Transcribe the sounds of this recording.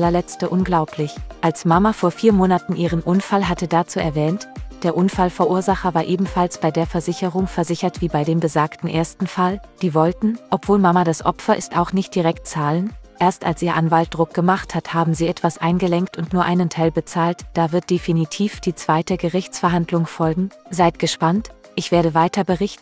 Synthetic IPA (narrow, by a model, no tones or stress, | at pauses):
lɐlɛt͡stəʔʊnɡlaʊpʰlɪçʔalsmamafoːɐfiːɐmoːnatn̩ʔiːʁ̞ənʔʊnfalɦatədat͡suːʔɛɐvɛːntd̥eːɐʔʊnfalfɛɐʔuːɐzaχɐvaːɐʔeːbm̩falsb̥aɪdeːɐfɛɐzɪçəʁʊŋfɛɐzɪçɐtv̥iːbaɪdeːmbəzaːktn̩ʔeːɐstn̩fald̥iːvɔltn̩ʔɔpv̥oːlmamadasʔɔ̰pfɐʔɪstaʊxnɪçt̚d̥iʁɛktt͡saːlənʔeːɐstʔa̰lsʔiːɐʔanvalt̚d̥ʁʊk̚ɡ̥əmaχthathaːbm̩ziːɛtv̥asʔaɪnɡəlɛŋktʊntnuːɐʔaɪnəntʰaɪlbət͡saːltd̥aːvɪɐt̚d̥efinitʰiːfd̥iːt͡sv̥aɪtəɡəʁɪçt͡sfɛɐɦandlʊŋfɔlɡŋ̩zaɪt̚ɡ̥əʃpant | ʔɪçv̥eːɐɾəvaɪtɐbəʁɪçtn̩